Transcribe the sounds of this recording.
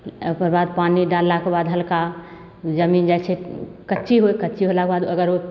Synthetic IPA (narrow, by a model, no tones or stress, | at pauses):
kəɾbad̪̚paniɖalːakebad̪ɦəlka | d͡ʒəmind͡ʒajsʰekətːʃiɦojkətːt͡ʃiɦolakebad̪əɡəɾo